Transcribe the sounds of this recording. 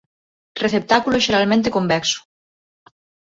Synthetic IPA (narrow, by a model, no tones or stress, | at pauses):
reθep̚t̪akuloeʒeɾalmẽnt̪ekombɛksu̥